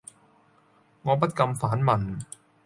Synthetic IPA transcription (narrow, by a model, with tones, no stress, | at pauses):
ŋɔː˨˧p̬ɐ˥t̚kɐ˧mfaː˨˥nmɐ˨˩n